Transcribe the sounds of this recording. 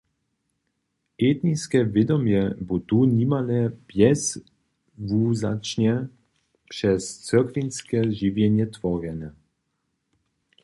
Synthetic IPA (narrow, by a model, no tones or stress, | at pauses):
eːt̪niskɛvjɛd̪ɔmjɛbut̪unimalɛb̥jɛs | vuːzat͡ʃɲɛ | pʂɛst͡sɛkvinskɛʒivjɛnjɛt̪vɔʁɛnɛ